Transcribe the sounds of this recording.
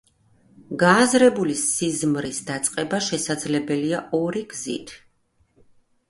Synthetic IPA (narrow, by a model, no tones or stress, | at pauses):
ɡaːzɾɛbulisizmɾisd̪at̪sʼqʼɛbaʃɛsad̪zlɛbɛliaɔɾiɡzḭt̪ʰ